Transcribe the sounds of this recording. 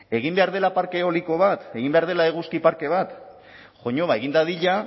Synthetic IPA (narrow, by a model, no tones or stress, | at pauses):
e̞ɣ̞imbe̞aɾð̞e̞lapaɾke̞o̞liko̞β̞at̪e̞ɣimbe̞aɾð̞e̞laeɣ̞uskipaɾke̞β̞at̪ | ʝo̞ɲo̞βaeɣ̞ind̪aðiʎa